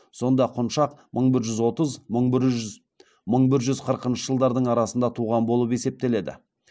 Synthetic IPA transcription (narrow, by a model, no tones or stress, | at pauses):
so̞nd̪ɑqʰʊnʃɑqmʔəɴbɪɾʒʏzwo̞t̪əzməɴb | məɴbɪɾʒʏzqʰəɾəqənʃəʒəlˠd̪ɑɾd̪əɴɑɾɑsənd̪ɑt̪ʰuʁɑnbo̞lˠəpe̞se̞p̚t̪e̞le̞d̪ɪ̰